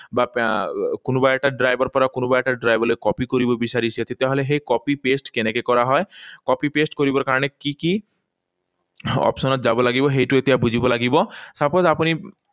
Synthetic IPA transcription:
bapkonubaeʈaɖɾajbɔɾpɔɾakonubaɛʈaɖɾajbɔlekɔpikoɾibɔbisaɾisiat̪ʰit̪aɦoleɦejkɔpipesʈkenekekɔɾaɦɔekɔpipesʈkoɾibɔɾkaɾɔñekiki | ɔ̰psɔnɔt̪̚d͡ʒabɔlaɡibɔɦejʈuet̪iabud͡ʑʱibɔlaɡibɔsapod͡ʒapuni

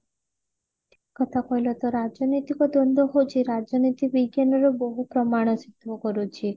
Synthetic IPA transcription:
kɔt̪ʰakɔjlɔt̪ɔɾad͡ʒɔnit̪ikɔd̪ɔnd̪ʱɔɦot͡ʃʰiɾad͡ʒɔnit̪ibiɡjanɔɾɔbɔɦupɾɔmaɽ̃ɔsit̪ʋɔkɔɾut͡ʃʰi

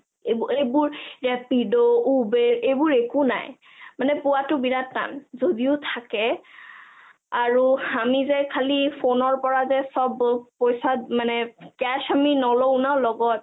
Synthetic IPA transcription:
ebejbʊɹɹɛpidɔubɛɹejbʊɹekuna̰j | manɛpʊwatʊbiɹatːa̰nzodiʊtʰakɛ | aɹuamizɛkʰalifonɔɹpɔɹazɛsɔbpɔjsamanɛkɛʃaminɔlonalɔɡɔt̚

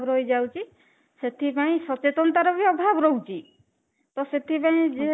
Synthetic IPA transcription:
bɾojd͡ʒawt͡ʃʰi | set̪ʰipaĩsɔt͡ʃet̪ɔnt̪aɾɔbɔbʱabɾowt͡ʃʰi | t̪ɔset̪ʰipaĩd͡ʒe

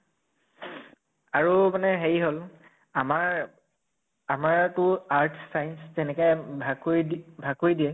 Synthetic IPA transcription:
aɹumanɛɦeɹiɦol | amaɹ | amaɹtʊaɹtʰsajnszɛnɛkɛjbʱakojbʱakojdiɛ

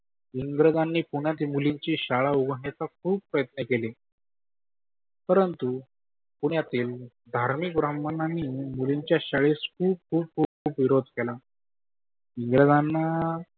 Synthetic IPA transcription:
iŋɡɾəd̪anːiːpuɳjat̪̬imuliɲt͡ɕiːɕaɭauɡʱɳjet͡sak̚ʰuːb̚pːɾəjət̪nəkeli | pəɾənt̪u | puɳjat̪iːl | d̪ʱaɾmikbɾamənanːiːmuliɲt͡ɕjaɕaɭiskʰuːb̚kʰuːb̚kʰuːb̚kʰuːpʋiɾod̪ʱkela | iŋɡɾəd̪anːa

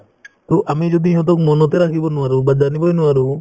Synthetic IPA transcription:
t̪oʔamid͡ʒod̪iɦɔ̃t̪̬ɔkmɔnɔt̪eɾakʰibɔnuaɾubad͡ʒanibɔenuwaɾu

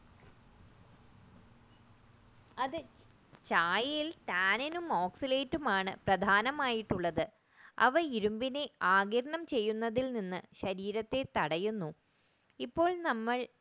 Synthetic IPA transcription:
ɐðɨ | t͡ɕaːjɐjilʈaːninumoːksileːtːumaːɳɨprɐd̪ʱaːnɐmaːjiʈːuɭːɐðɨ | ɐ̰ʋɐiɾumbineaːɡɐɾɐɳɐmt͡ɕe̞jːunːɐðilninːɨɕɐɾiːɾɐt̪ːe̞t̪ɐɽɐjunːu | ipːo̞ːɭnɐmːɐɭ

